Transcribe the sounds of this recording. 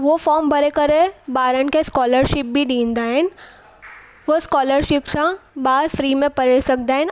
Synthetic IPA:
ʋofɔːɾmbɐɾekəɾebaːɾənkeskɔːləɾʃɪp̚bʱiɖĩːnd̪aɦɛn | ʋoskɔːləɾʃɪpsãbaːɾfɾiːmẽpɐɾesɐk̚d̪aɦɛ̃n

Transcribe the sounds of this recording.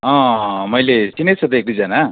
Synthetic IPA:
ʌ̃mʌjlesinet͡sʰʌt̪ek̚d̪id͡zana

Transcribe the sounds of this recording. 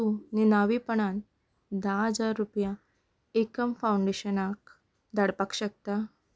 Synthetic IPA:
uninaʋipəɳan | d̪aɦəd͡zaɾːupja | ekəmfawuɳɖeɕənak | d̪əɽpakɕək̚t̪a

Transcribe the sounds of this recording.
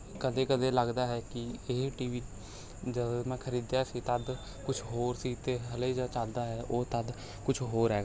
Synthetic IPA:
kəd̪eːkəd̪eːləɡd̪aːɦɛːkɪeʈiːʋiː | d͡ʒəmɛ̃ːkʰəɾiːd̪jaːsiːt̪əd̪ | kʊt͡ʃʰɦoːɾsiːt̪eːɦəliːd͡ʒət͡ʃəld̪aːɦɛːʔoːt̪əd̪ | kʊt͡ʃʰɦoːɾɦɛːɡaː

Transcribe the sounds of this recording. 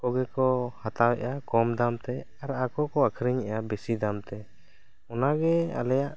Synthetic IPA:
kɔɡɛkɔhat̪awɛʔakɔmd̪amt̪ɛ | aɾakɔkɔakʰɾiɲɛjabɛsid̪amt̪ɛ | ɔnaɡɛa̰lɛjaʔ

